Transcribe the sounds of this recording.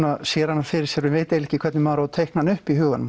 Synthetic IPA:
nasjɛːɾanːḁfɪɾɪɾsjɛɾʏnveːjt̪elɪhcɪkʰvɛɾt̪nɪmaːɾat̪ʰejhknanʏhpiɦʏːɣanːʏm

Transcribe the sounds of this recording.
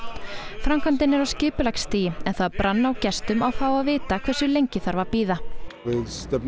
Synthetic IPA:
fɾamkʰant̪ɪnɛɾawscɪːpʏlakst̪iːjɪɛnθaðpɾanːaawcɛst̪ʏmawfaːwaðvɪːt̪akʰv̥ɛr̥sʏlejɲcɪθaɾvaɾpiːðaɪðst̪ɛp

